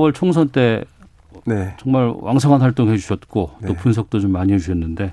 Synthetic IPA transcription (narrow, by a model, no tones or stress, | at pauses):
wʌɭt͡ɕʰoŋs̬ʰʌnt͈e̞ | net͡ɕʌŋmaɭwʔaŋsʰʌŋɦanɸwaɭt͈oŋɦe̞d͡ʑuɕʰʌt̚k͈ot͈opuns̬ʰʌk̚t͈ot͡ɕomːaɲiɦed͡ʑuɕʰʌnːɯnde̞